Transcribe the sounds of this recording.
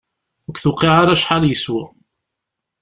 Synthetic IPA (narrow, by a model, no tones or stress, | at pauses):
ʊkθʊqiʕaɾæʃħaljəswæ